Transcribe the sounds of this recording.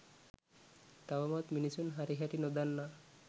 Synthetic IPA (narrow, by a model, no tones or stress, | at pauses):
t̪awamɔt̪minisunɦaɾiɦaɾinod̪anːa